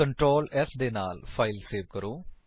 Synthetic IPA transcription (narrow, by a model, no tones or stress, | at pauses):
əɳʈɾoːlɛsd̪eːnaːlpʰaːɪlseːʋkəɾõː